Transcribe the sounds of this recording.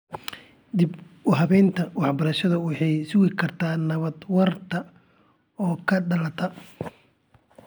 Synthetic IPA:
d̪ib | ɦɐβɛːnt̪ʰɐwɑħbɐɾɐʃɐðɐwɑħɑjsʊɣɪkʰɐrt̪ʰaːnɐβɐd̪wɐrt̪ʰɐ | ɔːkʰɐɖɐlɐt̪ʰɐ

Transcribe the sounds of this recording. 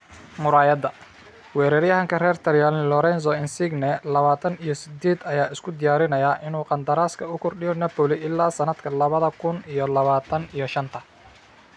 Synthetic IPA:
mʊɾaːjɐd̪ɐ | wɛːɾɛɾjɐɦɐŋkʰɐrɛːrt̪ʰɐɾjalɪlɔɾɛns̬ɔɪnsɪɡnɛlɐβaːt̪ʰɐnijɔsɪd̪eːd̪ɐjaːɪskʰʊd̪ɪjaːɾɪnɐjaːʔɪnuːqɑnd̪ɐɾaːskʰɐʊkʰɔrɖɪjɔnɐpɔlɪʔɪlːaːsɐnɐd̪kʰɐlɐβɐðɐkʰʊnijɔlɐβaːt̪ʰɐnijɔʃɐnt̪ʰɐ

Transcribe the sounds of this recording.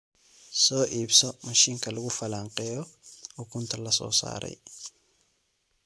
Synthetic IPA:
soːʔiːbsɔmɐʃiːŋkɐlʊɡʊfɐlaːŋqʼɛːjɔʊkʊnt̪ɐlɐsɔ̰ːsa̰ːɾɐ̰j

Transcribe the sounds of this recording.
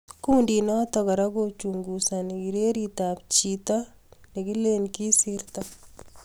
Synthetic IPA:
kuːndinɔt̪ɔkɐɾakot͡ʃuŋɡusanikiɾeɾit̪aːpt͡ʃit̪ɔ | nikilenkisiɾt̪a

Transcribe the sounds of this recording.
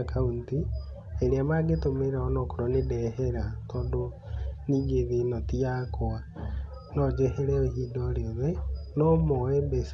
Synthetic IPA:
kaunti | eɾeamaɡetomeɾaɔnɔkoɾɔnedɛhɛɾatɔːndo | niːɡeðenɔtiakoa | nɔd͡ʒɛheɾɛohiːdɔɾeoðɛnɔmɔɛbɛs

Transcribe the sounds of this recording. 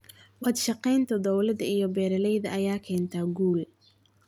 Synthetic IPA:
wɑd̪ʃɑqɛjnt̪ʰɔd̪ɔwlɐd̪ɐijɞbɛːɾɐlɛjðɐɐjaːkʰɛːnt̪ʰaːɡuːl

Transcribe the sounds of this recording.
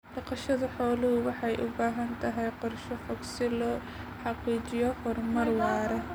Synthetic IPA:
ɖ̥ɑqɐʃɐðɐħɔːlʊɦʊwɑħɑjʔʊbaːɦɐnt̪ʰɐɦɛjqɔrʃɔfɔksɪlɔː | ħɑqiːt͡ʃɪjɔfɔrmɐrwɑːɾɐ

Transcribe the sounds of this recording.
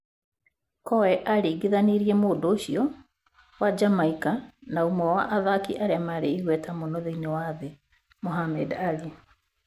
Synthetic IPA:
kɔwɛʔaɾeɡeðaneɾiɛmoːdoːɕiɔ | wad͡ʒamaikanaumɔwaʔaðakiʔaɾeamaɾeiɣwɛtamonɔðeinewaðe | moɦamɛdali

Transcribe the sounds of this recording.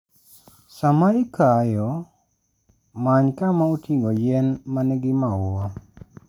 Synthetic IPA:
samaikajɔ | maɲkamautʰiŋɡɔjɛnmanɛɡɪmaʊwa

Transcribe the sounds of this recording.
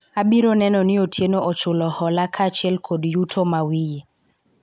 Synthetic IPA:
abiɾonɛnɔnɪotʰjenoʔɔt͡ʃʊlɔhɔlakʰat͡ʃɪɛlkʰodjutʰomawije

